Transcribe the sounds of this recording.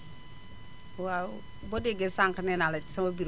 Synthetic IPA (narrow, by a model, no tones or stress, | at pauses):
wa | bɔdeɡesaŋkɐnɛnalɐsɐmɐbiɾ